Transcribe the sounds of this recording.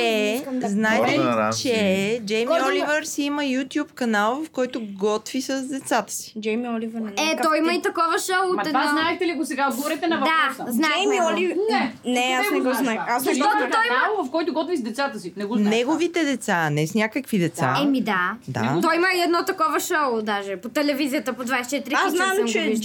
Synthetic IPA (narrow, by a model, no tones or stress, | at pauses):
ɛznaɛt̪ɛit͡ʃɛd͡ʒɛjmiɔlivəɾsiiməjut̪ʲjupkɐnalˠvɐfkɔjt̪ʊɡɔt̪visəzd̪ɛt̪sat̪ə̥si̥d͡ʒɛjmiɔlivɾɛt̪ɔjimɐit̪ɐkɔvɐʃɐlˠoɛd̪znaɛt̪ɛliɐɡosɛɡaod̪̚ɡvɔɾɛt̪ɛnɐvɐd̪aɾznaɛmiɔlivɛnɛasnɛɡɔnaasnɐɛʃɡ̪ɔt̪ʊt̪ɔjimɐavɐfkɔjt̪ʊɡɔt̪vizd̪ɛt̪sat̪əsinɛɡonɛɡovit̪ɛd̪ɛt̪sanɛsnʲakəkvid̪ɛt̪sa̰ɛmid̪ad̪a̰t̪ɔjiməiɛd̪nɔt̪ɐkɔvɐʃoʊd̪aʒɛpot̪ɛlɛvizijət̪əpod̪vajsɛt͡ʃɛt̪iɾiaiznammt͡ʃɛiʃ